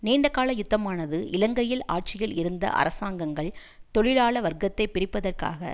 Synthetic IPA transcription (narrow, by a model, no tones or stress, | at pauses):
neːɳɖɐkaːlɐjʊt̪ːɐmaːnɐðɯʔɪlɐŋɡɐjɪlaːʈ̚t͡ʃɪjɪlɪɾɯnd̪ɐ̰ʔɐ̰ɾɐsaːŋɡɐŋɡɐɭ | t̪ɔɻɪɻaːɭɐʋɐɾɡɐt̪ːɐɪpɪɾɪpːɐðɐrka̰ːɣɐ̰